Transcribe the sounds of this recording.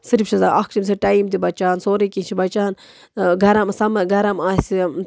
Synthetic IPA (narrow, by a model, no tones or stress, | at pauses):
sɨɾifʃʰɐzaːɐkʰt͡ʃims̬eʈɐimt̪̬ibɐt͡ʃaːnsoːɾekint͡ʃʰibɐt͡ʃaːn | ɡʱɐɾɐmsɐmɐɡʱɐɾɐmaːsi